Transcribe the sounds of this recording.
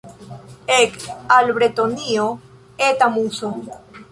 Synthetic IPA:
ekalβɾet̪onio | et̪amuso

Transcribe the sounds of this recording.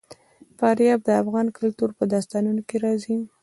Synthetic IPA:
fɑɾjɑb̚d̪əafɣɑnkʊlt̪uɾpəd̪ɑst̪ɑnunokeɾɑzi

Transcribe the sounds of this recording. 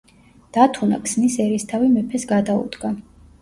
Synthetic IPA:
d̪̥at̪ʰuna̰kʰsnisɛɾist̪ʰavimɛpʰɛsɡad̪aṵd̪ɡa

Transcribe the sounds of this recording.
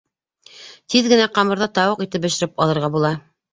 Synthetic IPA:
t̪ʰiðɡɘ̆næqɑmɤ̆ɾðɑt̪ɑwɤqit̪ɘp̚bɘ̆ʃɘ̆ɾɘpɑlˠɤ̆ɾʁɑbulˠɑ

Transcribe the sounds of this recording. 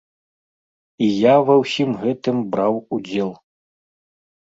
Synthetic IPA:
ijavɐwsʲimɣɛt̪ɨmbɾawud͡zʲɛlˠ

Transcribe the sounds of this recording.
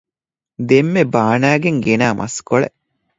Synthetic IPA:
d̪emːebaːnæːɡeŋɡenaːmʔɐ̰skoɭḛ

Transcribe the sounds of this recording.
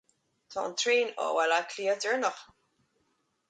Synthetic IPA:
t̪ʰɑ̰ːnt̪ʰɹeːnɔ̰wɛlakʰliːədɪɹnəχ

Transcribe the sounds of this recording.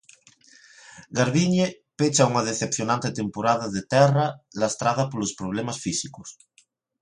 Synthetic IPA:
ɡaɾβiɲe | pet͡ʃauŋaðeθepθjonãnt̪et̪empoɾaðaðet̪ɛralast̪ɾaðapolospɾoβ̞lemasfisiko̥s

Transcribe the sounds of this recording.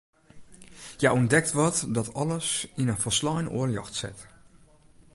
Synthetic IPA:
jaɔndɛk̚tʋɑtdɑtɑləsɪnənfəɹslɑjno̰ːəɹjɑ̰xtsɛ̰t

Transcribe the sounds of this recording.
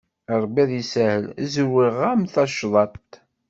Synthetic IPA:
əɾˤbiðˤisæhəlzəwːiʁæmθɑʃðˤɑt̪

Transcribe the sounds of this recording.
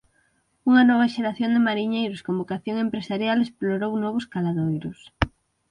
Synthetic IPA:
uŋɐnɔβ̞ɐʃeɾaθjond̪ɪmaɾiɲejɾʊskombokaθjoŋempɾesaɾjalesploɾownɔβ̞ʊskalaðojɾʊs

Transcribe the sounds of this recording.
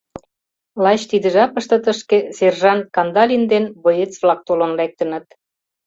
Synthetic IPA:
lɑt͡ɕt̪id̪ə̆ʒɑpə̆ʃt̪ə̆t̪əʃkeserʒɑnkɑnd̪ɑlʲind̪enbojet͡svlɑk̚t̪olonlæk̚t̪ə̆nə̆t̪

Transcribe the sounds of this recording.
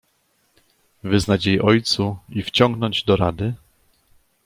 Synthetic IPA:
vɘznat͡ɕjejʔɔjt̪suift͡ɕɔŋɡnɔɲd͡ʑd̪ɔɾad̪ɘ

